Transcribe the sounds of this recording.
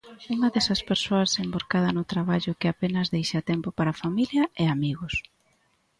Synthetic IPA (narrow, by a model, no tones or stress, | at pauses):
uŋɐðɛsɐspeɾsoɐsemboɾkað̞ɐnʊt̪ɾaβaʎʊkɪapenɐzðejʃɐt̪ɛmpopaɾafamiljɐɛamiɣʊs